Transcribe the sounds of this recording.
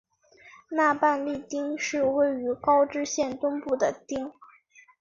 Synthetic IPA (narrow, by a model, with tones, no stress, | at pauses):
na˥˧pa˥˧nli˥˩t̪i˥ŋʂɻ̩˥˧we˥˩ɪy˧˥kɑ˥ʊʈ͡ʂɻ̩˥ɕjɛ˥˩nt̪ʊ˥ŋpu˥˩d̪ə˩t̪i˥ŋ